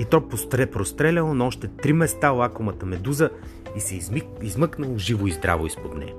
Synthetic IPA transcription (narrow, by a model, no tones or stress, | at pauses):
it̪ɔjpost̪ɾɛpɾost̪ɾɛlʲɐlˠonɐɔʃt̪ɛt̪ɾimɛst̪aoakomɐt̪əmɛd̪uzə | isɛizmɤknəlˠoʒivoizd̪ɾa̰voispod̪nɛ̰j